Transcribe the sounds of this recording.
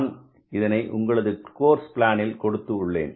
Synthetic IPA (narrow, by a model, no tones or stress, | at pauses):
n | ɪðɐnɐɪʔʊ̰ŋɡɐɭɐðɯkoːɾspɪlaːnɪlkɔɽɯt̪ːɯʊɭːḛːn